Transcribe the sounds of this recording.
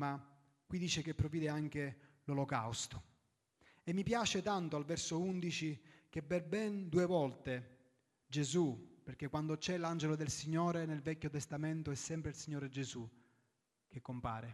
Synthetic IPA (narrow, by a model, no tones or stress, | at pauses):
ma | kːwid̪iːt͡ʃek̟epːɾoviːd̪eaŋk̟e | lolokawst̪o̥ | emːipjaːt͡ʃet̪ant̪oalvɛrsound̪it͡ʃik̟epːerbɛnd̪uːevɔlt̪e | d͡ʒezuperk̟ekːwand̪ot͡ʃɛland͡ʒelod̪elsiɲːoːɾenelvɛkʲːot̪est̪ament̪oɛsːɛmpɾeilsiɲːoːɾed͡ʒezu | k̟ekːompa̰ːɾe